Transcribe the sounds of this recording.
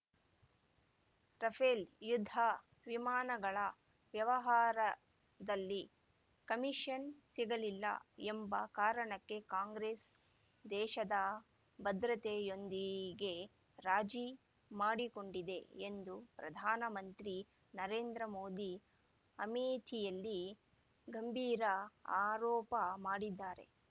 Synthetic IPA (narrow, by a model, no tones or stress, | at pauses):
ɾɐpʰeːljud̪ʱːɐ | ʋimaːnɐɡɐɭɐ | ʋjɐʋɐɦaːɾɐ | d̪ɐlːi | kɐmiʂɐnsiɡɐlilːɐ̰embɐkaːɾɐɳɐkːe̞kaːŋɡɾeːs | d̪ɛːʃɐd̪ɐ | bɐd̪ɾɐt̪ejo̞nd̪iɡe̞ | ɾaːd͡ʒi | maːɽiko̞ɳɖid̪e̞end̪upɾɐd̪ʱaːnɐmɐnt̪ɾi | nɐɾeːnd̪ɾɐmoːd̪i | ɐmeːt̪ʰijɐlːi | ɡʱɐmbʱiːɾɐaːɾɔːpɐmaːɽid̪ːaːɾe̞̰